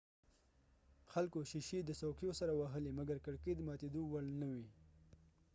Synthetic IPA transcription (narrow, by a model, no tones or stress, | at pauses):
xalkoʃiʃid̪əsawkijosaɾawaɦəlimaɡaɾkaɽked̪əmɑt̪ed̪owalnəwi